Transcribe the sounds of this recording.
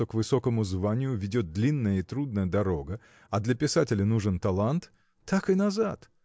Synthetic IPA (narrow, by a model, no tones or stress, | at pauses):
o̞kvɨso̞kəmʊzvanʲɪjʊvʲɪdʲo̞t̪̚d̪lʲinːəjəit̪ɾud̪̚nəjəd̪ɐɾo̞ɡə | ɐd̪lʲɐpʲɪsatʲɪlʲɪnuʐɨnt̪ɐlˠant̪ː | akɨnɐzat̪